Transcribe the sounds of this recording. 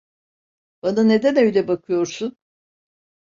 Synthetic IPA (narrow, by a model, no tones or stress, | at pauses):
b̥anane̞d̪ænø̞jlʲɛbakʰɯjo̞ɾsun